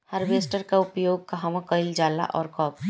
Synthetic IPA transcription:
həɾbeːsʈəɾkaʊpjoːɡ̚kaɦɐmãkəɪld͡ʒaːla̰ʔɔ̰ːɾkɔːp

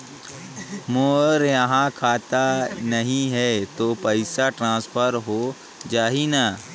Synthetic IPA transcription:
moːɾjɐɦãkʰaːt̪anɐɦĩɦɛt̪oːpəɪsaʈɾãːspʰəɾɦo | d͡ʒaːɦina

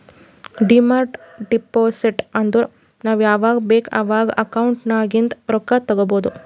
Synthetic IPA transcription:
ɖimaːɾʈɖipoːsiʈɐnd̪u | naːʋjaːʋaːɡɐbeːkɐʋaːɡɐʔɐkɐwuɳʈnaːɡint̪ɾɔkːɐt̪ɐɡoboːd̪u

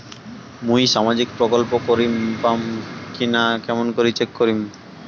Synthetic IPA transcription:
mũjʃamad͡ʑikpɾokolpokoɾimpamkinakɛmonkoɾit͡ɕekːoɾim

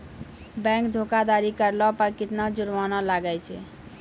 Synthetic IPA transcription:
bɛ̃ŋkd̪ʱokad̪aɾikəɾlɔpəɾkit̪nad͡ʒuɾmanɔlaɡɛt͡ʃʰɛ̰

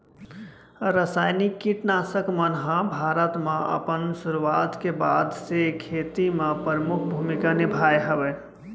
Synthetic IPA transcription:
ɾəsaːjnikːiʈnasəkmənɦãbʱaɾət̪mẽə̰pənsuɾuat̪kebad̪sekʰet̪imẽpəɾəmukʰbʱumikanɪbʱajɦəbɛ

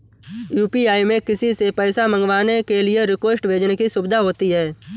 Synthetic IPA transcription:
juːpiaːimẽkɪsisepɛːsamə̃ŋɡʋaːnekelieɾɪkwesʈʋeːd͡ʒnkisʊbd̪ʱaɦoːt̪iɦɛː

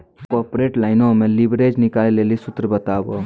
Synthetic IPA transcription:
kɔːpɾeːʈlaːɪnõmẽlibɾed͡ʒnɪkaːlilelisʊt̪ɾəbət̪aːbo

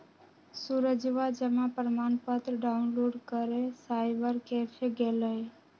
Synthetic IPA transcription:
suɾəd͡ʒʋad͡ʒəmapɾəmanpət̪ɾɖaʊnloɖkəɾesaɪbəɾkepʰeɡeləj

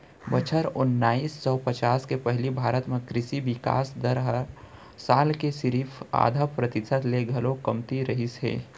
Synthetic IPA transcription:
bət͡ʃʰəɾʊnːaːisːɔpət͡ʃaːskepɛɦlibʱaːɾət̪mẽkɾɪsiʋɪka̰ːsd̪əɾɦə | saːlkesɪɾiːfʰa̰ːd̪ʱəpɾɐt̪ɪsəd̪leɡʱɐlõkɐmt̪iɾɐɦisɦḛː

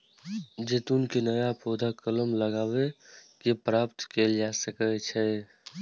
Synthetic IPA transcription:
d͡ʒet̪unkenəjapod̪ʱakələmləɡaːbekepɾapt̪keld͡ʒasəkət͡ʃʰɛ

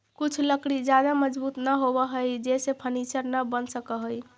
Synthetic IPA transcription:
kut͡ʃʰləkɽid͡ʒjad̪aməd͡ʒbut̪nəɦobəɦəjd͡ʒesepʰənisəɾnəbənsəkəɦəj

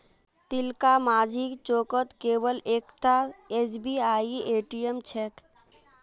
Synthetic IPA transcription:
t̪ɪlkamaːd͡ʒʱikt͡ʃoːkət̪keːwəleːkt̪aesbiːaːieːʈiemt͡ʃʰɛːk

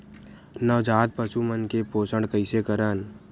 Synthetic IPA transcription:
nəʋd͡ʒaːt̪̚pəʃumənkepoːsəɳɖkəɪsekəɾən

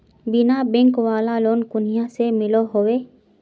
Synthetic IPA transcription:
bɪnabẽŋkwaːlaloːnkʊnijasemɪloɦowe

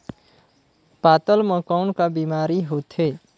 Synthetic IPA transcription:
pat̪əlməkaʊnkabimaɾiɦot̪ɦe

